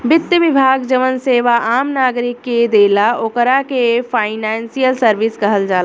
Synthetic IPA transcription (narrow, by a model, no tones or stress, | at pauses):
bɪt̪jəʋɪbʱaːɡd͡ʒəʋənseːʋaʔaːmnaːɡɾɪkːed̪eːlaoːkəɾakefaːɪnɛːnsijəlsəɾʋɪsɡɐɦəld͡ʒaːl